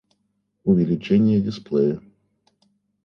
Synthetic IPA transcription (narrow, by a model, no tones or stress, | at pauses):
ʊvʲɪlʲɪt͡ɕenʲɪjədʲɪsplʲˠejə